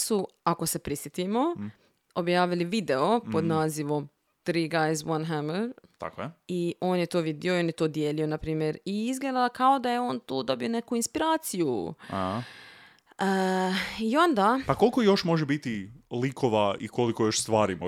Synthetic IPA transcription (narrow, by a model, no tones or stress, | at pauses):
su | ako̞se̞pɾisjet̪imo̞ | objaːʋiliʋid̪e̞o̞po̞d̪naːziʋo̞m | t̪ɾiːɡajzwanɦaməɾt̪a̰koio̞ːnjet̪oːʋid̪io̞jio̞njet̪o̞ːd̪jeːlio̞napɾiːmjeɾiizɡleːd̪alkao̞d̪ajeo̞ːnt̪uːd̪o̞bio̞ne̞kuinspiɾaːt̪sijuah | ə | io̞nd̪aːpako̞likojo̞ʃmo̞ʒebit̪ilikʰoʋaiko̞likojo̞ʃst̪ʋaːɾimo